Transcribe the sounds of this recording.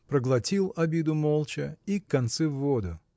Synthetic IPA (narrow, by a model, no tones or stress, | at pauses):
pɾəɡlˠɐtʲilˠɐbʲid̪ʊmolˠt͡ɕəikːɐnt̪sɛvːod̪ʊ